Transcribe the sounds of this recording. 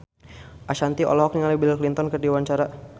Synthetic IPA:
ʔaʃant̪iʔɔ̰lɔɦɔk̚niŋalibillklint̪ɔnkərdiwaɲt͡ʃaɾa

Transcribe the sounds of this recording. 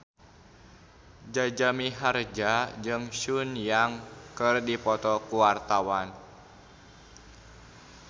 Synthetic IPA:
d͡ʒad͡ʒamiɦard͡ʒad͡ʒɨŋʃunjaŋkɨrdipɔt̪ɔkuwart̪awan

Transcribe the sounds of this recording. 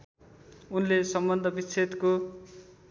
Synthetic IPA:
unlesʌmbʌnd̪ʱʌbit͡sʰet̪ko

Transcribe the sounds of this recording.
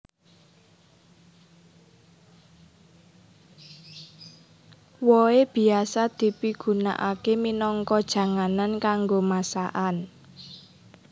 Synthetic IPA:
wɔeb̥i̤asad̪̥i̤piɡ̥ṳna̰ʔakeminɔŋkɔd̥ʒ̥ä̤ŋanankaŋɡomasaʔan

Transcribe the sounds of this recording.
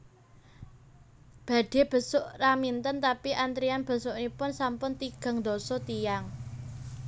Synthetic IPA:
b̥ä̤ɖ̥e̤b̥ə̤sʊʔramint̪ənt̪apiʔant̪ɾianb̥ə̤sʊʔnipʊnsampʊnt̪iɡ̥a̤ŋd̪osɔt̪ijaŋ

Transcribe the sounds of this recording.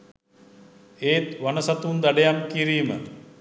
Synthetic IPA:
eːt̪ʋanəsat̪und̪aɖejamkiɾiːmə

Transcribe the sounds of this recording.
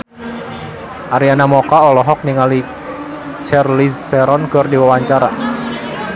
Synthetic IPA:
ʔaɾianamɔkaɔlɔɦɔk̚niŋali | t͡ʃɛrliɛɾɔnɡ̥ɔrdiwawaɲt͡ʃaɾa

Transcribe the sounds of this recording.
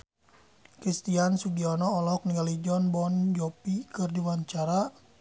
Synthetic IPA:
kɾist̪iansuɡiɔnɔːlɔk̚niŋɡalid͡ʒɔnbɔnd͡ʒɔpikɨrdiwaɲt͡ʃaɾa

